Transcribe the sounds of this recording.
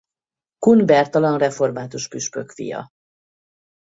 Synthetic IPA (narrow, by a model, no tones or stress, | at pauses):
kunbɛrt̪ɒlɒnrɛfo̞rmaːt̪uʃpyʃpøkfḭjɒ̰